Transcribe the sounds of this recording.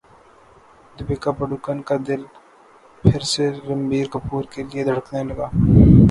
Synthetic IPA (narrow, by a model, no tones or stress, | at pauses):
d̪ɪbeːkapəɽukənkad̪ɪl | pʰɪɾseɾɐmbiːɾkɐpuːɾkelied̪ʱɐɽəknelɐɡaː